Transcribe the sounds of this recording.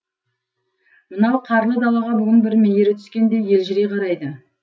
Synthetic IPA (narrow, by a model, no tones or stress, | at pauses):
mənɑwqʰɑɾlˠəd̪ɑlˠɑʁɑbʏɡʲɪnbɪɾmeje̞ɾɪt̪ʰʏ̥skʲe̞nd̪e̞je̞lʒɪɾeqʰɑɾɑjd̪ə